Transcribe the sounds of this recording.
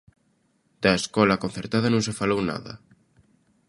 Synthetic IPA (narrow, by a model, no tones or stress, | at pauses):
d̪̥ɐeskɔlɐkonθeɾt̪aðɐnõŋsefalowna̰ðɐ̰